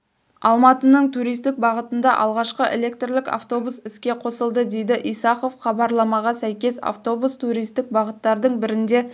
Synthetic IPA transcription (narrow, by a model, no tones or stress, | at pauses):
ɑlˠmɑt̪ənəɴt̪ʰuɾijst̪ɪk̚bɑʁət̪ənd̪ɑʔɑ̰lˠʁɑʃqəʔelʲe̞k̚t̪rlɪka̰ft̪o̞busɪskʲe̞qʰo̞səlˠd̪əd̪e̞jd̪ɪʔijsɑqofχɑbɑɾlˠɑmɑʁɑsæjkʲe̞sa̰ft̪o̞bust̪ʰuɾijst̪ɪk̚bɑʁət̪ːɑɾd̪əɴbɪɾɪnd̪e̞